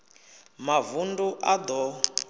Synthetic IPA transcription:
mavunduʔad̪ɔ

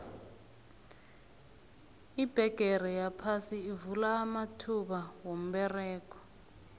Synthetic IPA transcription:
ib̥ʱɛɡ̥ʱɛrɛjapʰasiːvulaːmatʰuɓawom̩ɓɛrɛːk̬ɔ̥

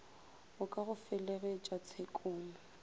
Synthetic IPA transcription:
ʊkʼaɣʊfɛlɛɣɛt͡ʃʼat͡sʰekʼʊːnʊ

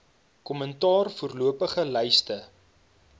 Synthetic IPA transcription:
kɔməntɑːrfuərluəpəχəlɛjstə

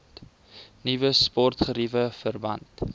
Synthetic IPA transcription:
nivəspɔrtχəɾivəfərbɐ̰nt

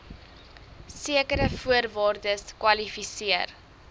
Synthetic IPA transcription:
siəkəɾəfuərvɑːrdəskwɐlifisiər

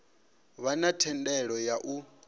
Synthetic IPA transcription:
βanatʰɛndɛɺɔjaʔu

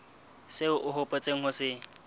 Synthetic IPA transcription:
seʊʔʊɦʊpʼot͡sʼeŋ̩hʊsɪ

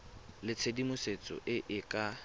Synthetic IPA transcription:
lɪt͡sʰedimʊset͡sʼɔ̰ʔɪʔɪkʼa

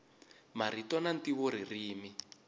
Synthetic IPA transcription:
maɾitɔnantiβoɾiriːmi

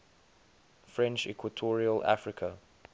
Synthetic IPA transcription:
fɹɛ̃nt͡ʃɛ̰kʰwətʰɔːɹiəlʔa̰fɹɪkʰə

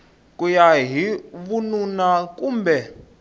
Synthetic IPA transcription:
kʼujaɦiβununak̬ʼuːmbɛ

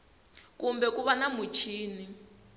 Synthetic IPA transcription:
kumbɛkuβanamut͡ʃʰiːni

